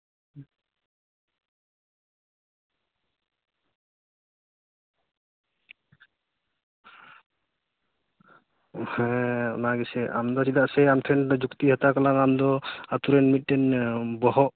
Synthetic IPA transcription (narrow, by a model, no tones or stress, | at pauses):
hɛ̃ɔ̰naɡɛsɛʔa̰md̪ɔsid̪aʔsɛamt̪ʰɾɛnd̪ɔd͡ʒukt̪iɦɔt̪akalaŋamd̪ɔat̪uɾɛnmit̪̚ːɛnbɔɦɔʔ